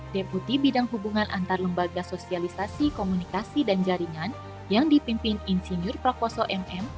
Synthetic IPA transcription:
deput̪ibidaŋɦubuŋanʔa̰nt̪arləmbaɡasosialisasikomunikasidand͡ʒaɾiŋan | jaŋdipimpininsinʊrpɾakɔsɔʔɛmɛm

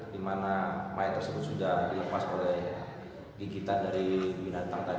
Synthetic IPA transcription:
dimanamaɛt̪ːərsəbʊt̪̚sudahdiləpasolɛh | ɡiɡit̪andaɾibinat̪aŋt̪a

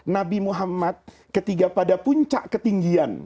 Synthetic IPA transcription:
nabimuɦamat̪̚ | kət̪iɡapadapuɲt͡ʃa̰ʔkət̪iŋɡian

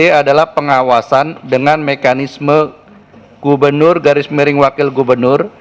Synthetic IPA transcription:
eadalahpəŋawasandəŋanmekanismə | ɡ̥ubərnʊrɡaɾɪsmiɾɪŋwakɪlɡubərnʊr

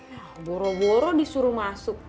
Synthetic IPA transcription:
abɔɾɔwɔɾɔdisuɾumasʊk̚

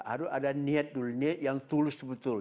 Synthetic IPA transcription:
a̰ɾʊsadaniɛt̪̚duluniɛt̪̚jaŋt̪ulʊsbət̪ʊl

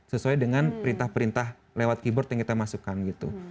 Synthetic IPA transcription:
səsuadəŋanpəɾint̪ahpəɾint̪ah | lewat̪̚kibɔrt̪jaŋkit̪amasukanɡit̪ṵ

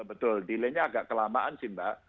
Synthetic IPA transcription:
bət̪ʊldileɲaaɡaʔkəlamaʔansimbaʔ

